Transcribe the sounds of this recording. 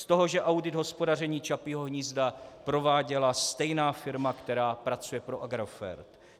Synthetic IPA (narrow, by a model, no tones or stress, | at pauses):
st̪o̞ɦo̞ʒɛʔawdɪd̪ɦo̞spo̞dar̝ɛɲiːt͡ʃapiɦo̞ɦɲiːzdapɾo̞vaːɟɛlast̪ɛjnaːfɪɾmakt̪ɛɾaːpɾat͡sujɛpɾo̞ʔaɡɾofɛ̰ɾt̪